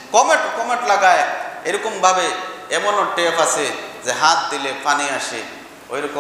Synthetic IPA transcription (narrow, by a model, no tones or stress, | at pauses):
kɔmeʈkɔmeʈlaɡajejɾɔkɔmbʱabeemɔnɔʈepʰasezeɦat̪̚d̪ilepʰaniaʃi | o̰jɾɔkɔ